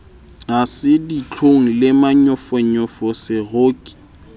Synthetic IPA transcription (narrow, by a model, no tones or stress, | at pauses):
ŋasɪdit͡ɬʰoŋ̩lɪmaɲʊfɔɲɔfɔsɪɣoːkʼi̥